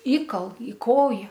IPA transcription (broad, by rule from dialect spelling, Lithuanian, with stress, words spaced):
ˈiːkɐlˠ iː ˈkoːjɛ